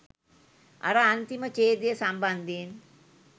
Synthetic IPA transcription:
a̰ɾəant̪imət͡ʃeːd̪ijəsamband̪ien

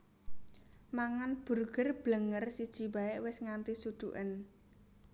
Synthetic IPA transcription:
maŋanb̥ṳrɡ̥ə̤rb̥ləŋərsid̥ʒ̥i̤baɪʔwɪsŋant̪isud̪̥uʔən

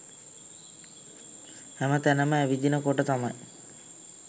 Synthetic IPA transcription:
hæmət̪ænəməæʋid̪inəkoʈət̪amaj

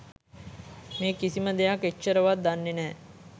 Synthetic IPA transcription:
meːkisiməd̪ejaketʃəɾəʋat̪̚d̪anːenɛː

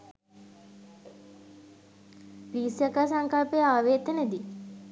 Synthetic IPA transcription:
ʋiːsjakaːsaŋkalpejəaːʋeːt̪əned̪i

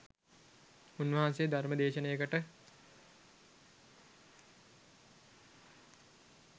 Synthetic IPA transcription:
unʋɐɦansejəd̪ʱaɾməd̪eːʃənejəkəʈə

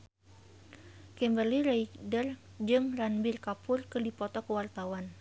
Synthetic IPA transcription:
kɛmbərliraikdər | d͡ʒɨŋranbɪrkapʊrkərdipɔt̪ɔkəwart̪awan

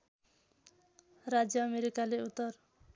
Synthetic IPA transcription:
rad͡zjʌːmeɾikaleut̪ːʌr

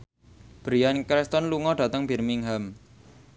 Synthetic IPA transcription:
b̥ɾiankɾɛst̪ɔnluŋɔɖ̥ä̤t̪əŋb̥i̤rmiŋɦam

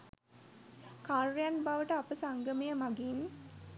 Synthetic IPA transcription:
kaɾːjanbaʋəʈəɐpəsaŋɡəmijəmaɡin

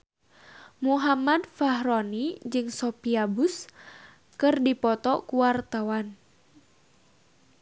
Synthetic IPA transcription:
muɦamad̪faɦɾonid͡ʒɨŋsɔpiabus | kɨrdipɔt̪ɔkuwart̪awan

